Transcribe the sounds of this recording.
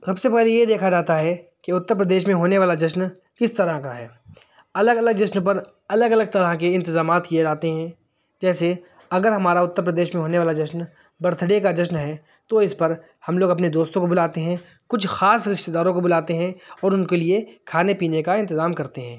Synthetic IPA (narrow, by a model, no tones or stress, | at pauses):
sɐbsepɛːɦlejed̪eːkʰad͡ʒaːt̪aɦɛ | keʊt̪ːəɾp̬ɾəd̪eːʃmẽɦoːneʋaːlad͡ʒɐʃn | kɪst̪ɐɾəɦkaɦɛː | ɐləɡɐləɡ̚d͡ʒɐʃnpɐɾ | ɐləɡɐləɡ̚t̪ɐɾək̬eɪ̃nt̪ɪzaːmaːt̪kied͡ʒaːt̪eɦɛ̃ | d͡ʒɛːse | ɐɡəɾɦɐmaːɾaʊt̪ːəɾp̬ɾəd̪eːʃmẽɦoːneʋaːlad͡ʒɐʃn | bɐɾt̪ʰəɽekad͡ʒɐʃnɦɛ | t̪oɪspɐɾ | hɐmloːɡɐpned̪oːst̪õkobʊlaːt̪eɦɛ̃ | kʊt͡ʃʰxaːsɾɪʃt̪ed̪aːɾõkobʊlaːt̪eɦɛ̃ɔːɾʊnkeliekʰaːnepiːnekaɪ̃nt̪ɪzaːmkɐɾt̪eɦɛ̃ː